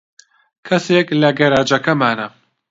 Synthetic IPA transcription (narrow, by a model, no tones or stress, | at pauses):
kʰɐseːklɐɡɐɾaːd͡ʒɐkɐmaːnɐ